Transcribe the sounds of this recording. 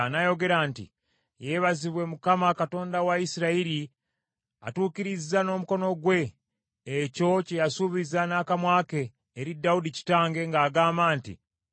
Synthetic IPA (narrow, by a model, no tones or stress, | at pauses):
najo̞ɡe̞ɾaːntḭ | je̞ːβaziβwe̞mukamakato̞ːndawaisiɾaiɾi | a̰tuːkiɾizːano̞ːmuko̞no̞ɡwe̞ː | co̞cejasuβizanaːkamwaːke̞ː | ɾidːaudici̥taːŋɡe̞ŋɡaːɡaːmbaːntḭ